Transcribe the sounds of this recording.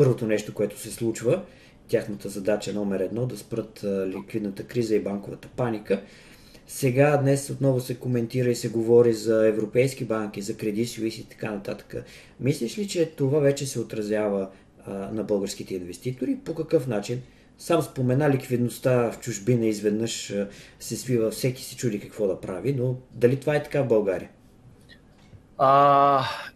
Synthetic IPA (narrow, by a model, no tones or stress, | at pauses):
pɤɾvot̪onɛʃt̪okoɛt̪ʊ̥sɛslˠut͡ʃvə | t̪ʲjaxnət̪əzɐd̪at͡ʃənɔmɛɾɛd̪nɔd̪ɐspɾɤt̪lʲikvid̪nət̪əkɾizəibaŋkovət̪ə̥panikə | sɛɡad̪nɛsot̪nɔvʊsɛkomɛnt̪iɾəisɛɡovɔɾizɐɛvɾopɛjskibaŋk̟ʲizɐkɾɛd̪it̪soisiːt̪ɐ̥kanɐt̪at̪ə̥kə̰ | mislʲiʃlit͡ʃɛt̪ovavɛt͡ʃɛsɛot̪ɾɐzʲjavə | nɐbɤlˠɡəɾsk̟it̪ɛinvɛst̪it̪oɾipokɐkɤfnat͡ʃin | samspomɛnalikvid̪nost̪aft͡ʃʊʒbinəizvɛd̪nɤʃsɛsvivəfsɛki̥sɛ̥t͡ʃud̪ikɐkvɔd̪ɐpɾavinod̪ɐlit̪ovaɛt̪ɐ̥kavbɐlˠɡaɾḭə | a